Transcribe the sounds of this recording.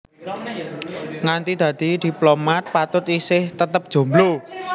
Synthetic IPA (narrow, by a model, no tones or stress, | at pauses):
ŋant̪id̪̥ä̤d̪̥i̤d̪̥i̤plomat̪̚pat̪ʊt̪isɪht̪ət̪əp̚d̥ʒ̥o̤mblo